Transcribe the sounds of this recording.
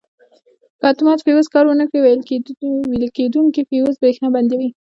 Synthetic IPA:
kɑt̪ʊmɑt̪fewazkɑɾwənəkɽiwajəlkwlked̪uŋkifewəzbɾexnɑband̪jawi

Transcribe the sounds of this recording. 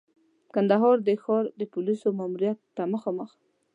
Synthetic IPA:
kand̪aɦɑɾd̪əxɑɾd̪əpulisomamuɾijat̪ːaməxɑməx

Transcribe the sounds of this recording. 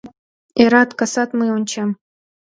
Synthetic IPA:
eɾɑt̪kɑsɑt̪mɤjonʲt͡ɕɑm

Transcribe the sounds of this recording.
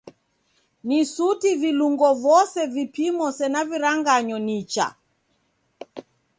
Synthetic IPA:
nisutiviluŋɡɔvɔsɛvipimɔsɛnaviɾaŋɡaɲɔnit͡ʃa̰

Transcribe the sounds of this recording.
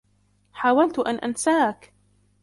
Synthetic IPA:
ħaːwalt̪ʔa̰nʔa̰nsaːk

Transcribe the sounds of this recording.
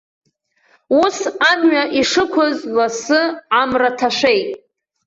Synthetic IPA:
usanɥaʔiʂɨkʷʰʊzlasɨamratʰaʂʷejtʼ

